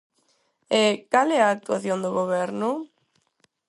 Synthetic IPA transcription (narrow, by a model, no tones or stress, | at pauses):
ekalɛaːk̚t̪uaθjond̪oɣoβɛɾnʊ